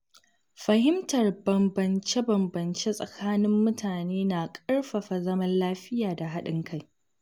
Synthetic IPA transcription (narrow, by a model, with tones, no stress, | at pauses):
ɸɐ˨hɪ˦mtɐ˨rbɐ˨mbɐ˨nt͡ʃe˦bɐ˨mbɐ˨nt͡ʃe˦sʼɐ˨kʰaː˦nɪ˦mːʊ˦tʰaː˨neː˦na˨kʼɐ˦rɸɐ˨ɸa˨zɐ˦mɐ˦nlaː˦ɸɪ˦jaː˨da˨ɦa˦ɗɪ˦ŋkʰa˦˨j